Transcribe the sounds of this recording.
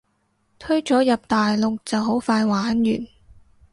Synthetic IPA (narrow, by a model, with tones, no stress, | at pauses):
t̪ʰɵ˥ɥt͡sɔː˨˥jɐ˨p̚t̪aː˨jlʊ˨k̚t͡sɐ˨wɦo˨˥wfaː˧jwaː˨˦˥njy̰ː˨˩n